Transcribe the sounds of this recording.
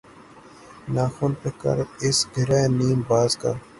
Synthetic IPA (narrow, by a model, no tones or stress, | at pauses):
naːxuːnpeːkɐ̰ɾɪsɡɪɾaːniːmbaːzka̰ː